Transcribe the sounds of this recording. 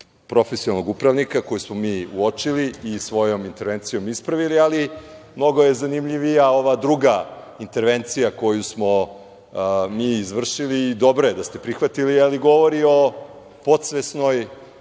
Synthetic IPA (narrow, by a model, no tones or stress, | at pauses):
pɾo̞fesinalnoɡupɾaʋnikako̞jusmomiːuot͡ʃiliːsʋo̞jo̞mint̪e̞ɾʋe̞nt̪sijo̞mispɾaʋilialimno̞ɡo̞je̞zanimʎiʋijao̞ʋad̪ɾuɡa | int̪eɾʋe̞nt̪sijako̞jusmo̞ | miːizʋr̩ʃiliːd̪o̞bɾojed̪ast̪e̞pɾixʋat̪ilialiɡo̞ʋoɾio̞ | po̞t̪sʋesno̞j